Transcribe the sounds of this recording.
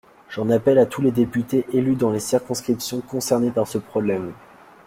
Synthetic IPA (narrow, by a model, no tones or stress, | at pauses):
ʒɑ̃napɛlat̪ʰuled̪epyt̪eʔelyd̪ɑ̃lesiʁkɔ̃skχipsjɔ̃kɔ̃sɛʁnepaʁsəpχɔblɛm